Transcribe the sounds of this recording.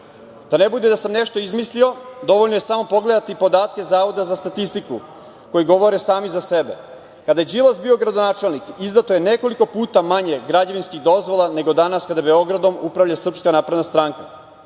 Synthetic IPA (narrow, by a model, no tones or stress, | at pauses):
d̪̥anebud̪ed̪asamneʃt̪o̞izmislio̞d̪o̞ʋo̞ʎnoje̞samo̞po̞ɡle̞d̪at̪ipo̞d̪aːt̪ke̞zaːʋo̞d̪azast̪at̪ist̪iku | ko̞jiɡo̞ʋo̞ɾesaːmizase̞bḛ | kad̪ajed͡ʒilˠosbio̞ɡɾad̪onaːt͡ʃelˠnikizd̪at̪oje̞ne̞ko̞liko̞puːt̪amaɲe̞ɡɾad͡ʑeʋinskiɣd̪o̞zʋo̞lˠane̞ɡo̞d̪anaskad̪ajebe̞o̞ɡɾad̪o̞mupɾaʋʎasr̩pskanaːpɾed̪nast̪ɾaŋka